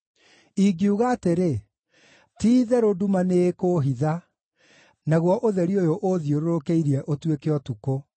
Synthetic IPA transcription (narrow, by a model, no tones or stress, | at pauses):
iɡiuɣaːteɾe | tiːðɛɾodumanekoːɦiða | naɣwɔʔoðɛɾiojoʔoðioɾoɾokeiɾiɛʔotwekeɔtuko